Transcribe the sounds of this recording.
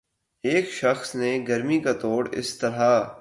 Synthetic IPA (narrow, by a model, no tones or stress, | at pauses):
eːkʃɐxsneɡɐɾmikat̪oːɽɪ̰st̪ɐɾɦa